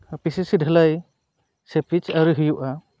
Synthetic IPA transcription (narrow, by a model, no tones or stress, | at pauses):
pisisidʱəlaj | sepit͡ʃaɾuɦɯjuʔa